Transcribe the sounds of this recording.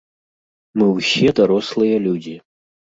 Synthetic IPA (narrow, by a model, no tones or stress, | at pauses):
mɨwsʲɛd̪ɐɾoslˠɨjɐlʲud͡zʲi